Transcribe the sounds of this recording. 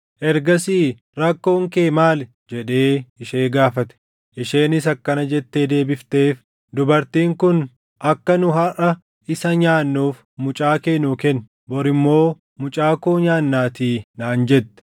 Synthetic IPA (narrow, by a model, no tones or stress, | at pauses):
ʔɛɾɡɐsiː | ɾɐkːo̞ːŋke̞ːmaːl | d͡ʒɛᶑe̞ːɪʃe̞ːɡaːfɐt̪ɛ̥ | ʔɪʃe̞ːnɪsɐkːɐnɐd͡ʒɛt̪ːed̪e̞ːbɪft̪e̞ːf | d̪ʊbɐɾt̪iːŋkʊn | ʔɐkːɐnʊɦɐʔɐ | ʔɪsɐɲaːnːuːf | mʊt͡ʃʼaːkeːnuːkɛn | bɔɾɪmːo̞ː | mʊt͡ʃʼaːkoːɲaːnːaːt̪iːnaːnd͡ʒɛt̪ːɛ̥